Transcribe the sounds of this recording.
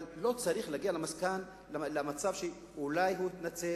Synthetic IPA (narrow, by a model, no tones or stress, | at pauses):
llo̞t͡saʁiχlaɡialamaskan | lamat͡savʃe | ulajɦuit̪nat͡se